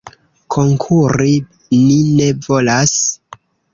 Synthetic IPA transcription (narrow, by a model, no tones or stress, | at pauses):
kʰo̞ŋkʰuɾi | nine̞vo̞las